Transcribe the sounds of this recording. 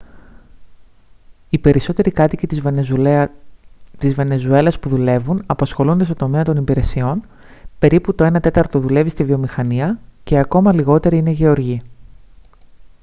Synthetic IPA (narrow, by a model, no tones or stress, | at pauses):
ipe̞ɾiso̞t̪e̞ɾikɐt̪icit̪ | t̪izve̞ne̞zue̞lɐspuðule̞vunɐpɐsxo̞lund̪est̪t̪o̞meɐt̪o̞nipiɾe̞sio̞n | pe̞ɾiput̪o̞e̞nɐt̪e̞t̪ɐɾt̪ot̪oðule̞vist̪ivio̞mixɐniɐce̞ɐko̞mɐliɣo̞t̪e̞ɾiine̞ʝe̞o̞ɾʝi